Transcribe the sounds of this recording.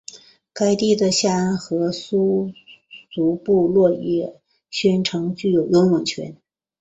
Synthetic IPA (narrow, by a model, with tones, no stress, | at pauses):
ka˥ɪt̪i˥˩d̪ə˩ɕja˥˩˧nxɤ˧˥su˥ | su˧˥pu˥˧lwɔ˥˧jɛ˥˩ | ɕɥɛ˥nʈ͡ʂʰɤ˧˥ŋt͡ɕy˥˩jo˨˩ʊjʊ˧˥nwə˨˩nt͡ɕʰɥɛ̰˧˥n